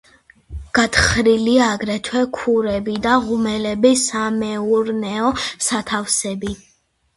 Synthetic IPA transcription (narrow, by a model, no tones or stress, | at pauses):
ɡ̥at̪χɾiliaːɡɾɛt̪ʰwɛkʰuɾɛbid̪aʁumɛlɛbisamɛuɾnɛɔsat̪ʰafsɛbi